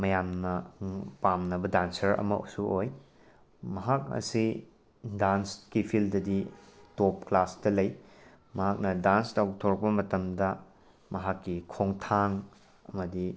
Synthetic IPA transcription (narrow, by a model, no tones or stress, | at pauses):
mɐjamnɐpamnɐbɐdansɐɾɐ̰mɐṵsuoj | mɐɦak̚ɐ̰si | danskipʰildɐditop̚klastɐlɐj | mɐɦak̚nɐdanstawtʰoɾɐk̚pɐmɐtɐmdɐ | mɐɦakːikʰoŋtʰaŋ | ɐmɐdi